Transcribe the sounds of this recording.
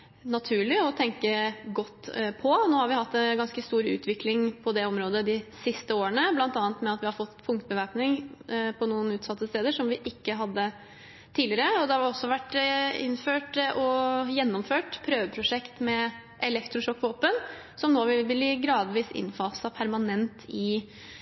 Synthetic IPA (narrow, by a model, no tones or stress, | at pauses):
nɑt̪ʰʉːɭɪɔt̪ʰɛŋkəɡɔt̪ːpʰɔnoːhɑɾʋɪhɑt̪ːɛnɡɑnskəst̪uːɾʉ̰ːt̪ʰʋɪklɪŋpʰɔd̪ɛɔmɾoːd̪əd̪ɪsɪst̪əoːəɳəblɑnt̪ɑːnt̪mɛɑt̪ʋɪhɑɾfɔt̪ːpʰʊŋkt̪bəʋæɾpnɪŋpʰɔnuːənʉːt̪sɑt̪ːəst̪eːd̪əʂɔmʋɪʔɪkːəɦɑd̪ːə | t̪ʰiːlɪɾəɔd̪ɛhɑɑɾɔsːɔʋæʈːɪ̰nːføːʈʔɔjɛnːɔmføːʈpʰɾøːʋəpʰɾʊʂɛkt̪mɛ | ʔɛlɛkt̪ɾʊʂɔkːʋoːpənsɔmnoːʋɪʋɪlɪɡɾɑːd̪ʋiːsɪ̰nːfɑːsɑpʰæɾmɑnɛnt̪ɪ